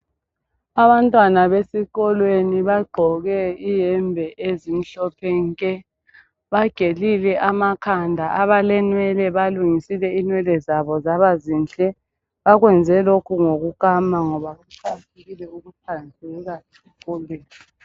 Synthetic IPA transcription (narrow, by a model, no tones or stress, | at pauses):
aβantʼwanaβesiɣɔlweniβaɡ͡ǃʱɔɣɛijɛmbʱɛʔezim̩ɬɔpʰɛŋkʼɛ | βaɡ̥ʱelilɛʔamakʰandʱaʔaβalɛnwɛlɛβaluŋisilɛinwɛlɛzaβɔzaβazinɬʼɛ | βaɣwɛnd͡zʱɛlokʰuŋoɣuɣamaŋɔβaɣuǀʰatʰeɣilɛuɣupʰand͡zʱɛɣasi̥ɣɔlweːni